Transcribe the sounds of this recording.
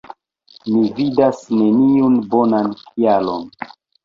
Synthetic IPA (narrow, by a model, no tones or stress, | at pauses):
mividasne̞niunbo̞nankʰialon